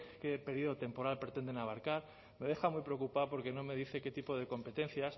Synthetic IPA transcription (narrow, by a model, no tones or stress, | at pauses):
ke̞pe̞ɾiðot̪e̞mpo̞ɾalpɾe̞t̪e̞nd̪e̞naβaɾkaɾ | me̞ð̞e̞xamwujpɾeo̞kupaopo̞ɾke̞nõ̞me̞ðiθe̞ke̞t̪ipo̞ð̞e̞ko̞mpe̞t̪e̞n̟θjas